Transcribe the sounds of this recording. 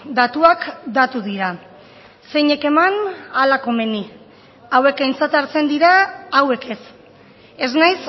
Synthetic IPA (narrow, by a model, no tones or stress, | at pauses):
d̪at̪uakd̪at̪uðiɾa | se̞ɲe̞ke̞manalako̞me̞ni | awe̞kajnt͡sat̪aɾt͡se̞nd̪iɾaːwe̞ke̞s | e̞znajs